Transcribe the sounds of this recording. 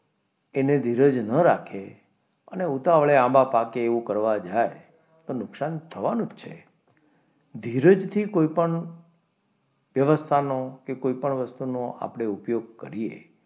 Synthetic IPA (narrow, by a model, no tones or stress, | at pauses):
ened̪ʱiɾəd͡ʒnəɾakʰe | ə̰neut̪aʋɭeãmbapakeːʋũkəɾʋad͡ʒae | t̪onʊksant̪ʰəʋanũt͡ʃʰḛ | d̪ʱiɾəd͡ʒt̪ʰikoipəɳ | ʋjəʋəst̪ʰanokekoipəɳʋəst̪unoa̰pɽ̃eupjoɡ̚kə̰ɾiḛ